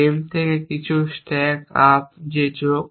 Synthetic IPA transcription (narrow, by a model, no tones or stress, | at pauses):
emt̪ʰekekit͡ɕʰusʈɛkap̚d͡ʑed͡ʑoɡ